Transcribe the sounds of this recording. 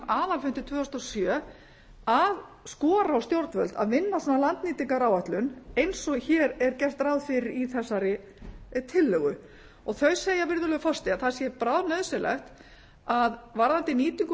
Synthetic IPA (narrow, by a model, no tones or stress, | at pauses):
aːðalfɪnt̪ɪt̪ʰv̥ʏːɔst̪ɔsjœː | að | skɔːɾawst̪jowɾt̪vœ̰lt̪a̰ðmɪnːasanːalant̪niːt̪iŋkaɾawaht̪lʏnejnsɔçɛːɾɛɾcɛr̥t̪ɾawðfɪɾɪɾiθɛsːaɾɪ | t̪ʰɪlːœɣʏ | ɔɣθœɥseːjavɪɾðʏlœʏfɔst̪ɪaθasjɛpɾawðnœðsɛlʔɛ̰xt̪ | aðvaɾðant̪ɪniːt̪iŋk